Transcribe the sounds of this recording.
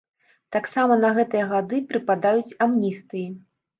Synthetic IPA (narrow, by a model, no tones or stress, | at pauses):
t̪aksamɐnɐɣɛt̪ɨjɐɣad̪ɨpɾɨpad̪ajut͡sʲamnʲist̪ɨji